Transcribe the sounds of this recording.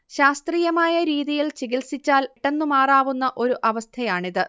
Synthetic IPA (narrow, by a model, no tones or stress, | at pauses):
ɕaːst̪riːjɐmaːjɐɾiːðijilt͡ɕiɡilsit͡ɕːaːlʈːenːumaːraːʋunːɐʔo̞ɾuʔɐʋɐst̪ʰɐjaːɳiðɨ